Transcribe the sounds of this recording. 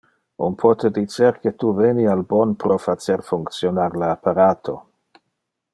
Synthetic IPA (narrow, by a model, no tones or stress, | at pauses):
unpʰɔt̪ed̪it͡ʃeɾket̪uvenialbɔnpɾofat͡ʃeɾfuŋkt̪sjonaɾleapaɾaːt̪ʰo̰